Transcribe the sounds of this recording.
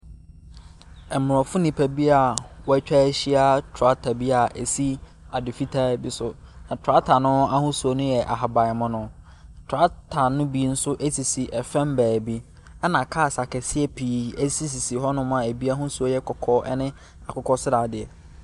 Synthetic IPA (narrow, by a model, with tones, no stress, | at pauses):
ɛ˨mʊ̃˨ɾɔ˨fʊ˦nɪ̃˨pʰæ˨bi˦a˨wɔ˦æ˦t͡ɕᶣɛ˦ɕi˦a˦tʰa˦tʰa˨bi˦a˨ʔæ˨si˦ | a˨dɪ˨fi˦tʰa˦bi˦sʊ˨nã˨tʰa˦tʰa˨nʊ̃˦a˦hʊ̃˦su˨o˨nʊ̃˦jɛ˨ʔa̰˨ɦa˨ba˨ɪ˨mʊ̃˦nʊ̃˨ | tʰʊ˨a˦tʰa˨nʊ̃˦bi˦n̩˦sʊ˦ʔe˦si˨si˨ʔɛ˨fɛ̃˦mbæː˨bi˦ | ɛ˦nã˨kʰaː˦˨sa˨kɛ˨sɪ˦ɛ˦pʰiː˨ɛ˦si˦s̬i˨si˨ɦɔ˦nʊ̃˦m˦ã˨æ˨bi˦a˦ɦʊ̃˦su˨o˦jɛ˦kʰɔ˨kʰɔ˦ʔɛ̰˦nɪ̃˦ | a˨kʊ˦kʰɔ˦sɪ˦ɾa˨dɪ˨ɛ˨